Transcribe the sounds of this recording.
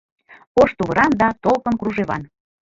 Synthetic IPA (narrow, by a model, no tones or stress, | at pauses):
oʃt̪uβəɾɑnd̪ɑt̪olkənkɾuʒeβɑ̰n